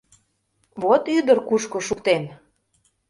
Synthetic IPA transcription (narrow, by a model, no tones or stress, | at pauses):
βot̪yd̪ərkuʃkoʃukt̪en